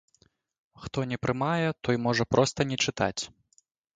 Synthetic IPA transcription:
xt̪ɔnʲɛpɾɨmajɛt̪ɔjmɔʐɐpɾɔst̪ɐnʲɛt͡ʂɨt̪a̰t͡sʲ

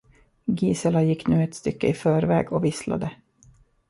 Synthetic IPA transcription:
ɡiːsəlajɪkːnʉ̟ːɛt̪st̪ʏkːəɪfœːɾvɛ̰ːɡɔvɪsla̰d̪ə

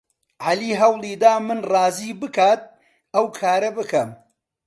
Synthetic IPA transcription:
ʕaliːɦɐwlˠiːd̪aːmɨnrˤɑːziːbɨkaːt̪̚ | ɐwkʰaːɾɐbɨkʰɐm

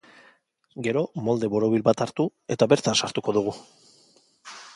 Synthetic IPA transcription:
ɡe̞ɾo̞mo̞ld̪e̞βo̞ɾo̞β̞ilbat̪aɾt̪ue̞t̪aβe̞ɾt̪ansaɾt̪uko̞ðuɣ̞u

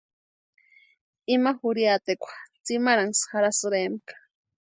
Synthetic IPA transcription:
imaxuɾjat̪ekʷʰḁt͡simaɾaŋsxaɾasɨɾemkḁ

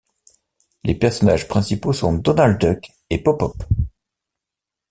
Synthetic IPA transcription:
lepɛʁsɔna̰ʒpχɛ̃siposɔ̃d̪ɔnald̪d̪œk | epɔpɔp

